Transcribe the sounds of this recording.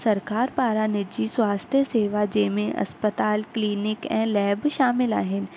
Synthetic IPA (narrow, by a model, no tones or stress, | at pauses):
sɐɾkaːɾpaːɾanɪd͡ʑiswaːst̪ʰjəseːʋad͡ʑeːmẽʔɐ̰spət̪aːlkliːnɪkɛ̰̃ːlɛːbʃaːmɪla̰ːɦɪnɪ̆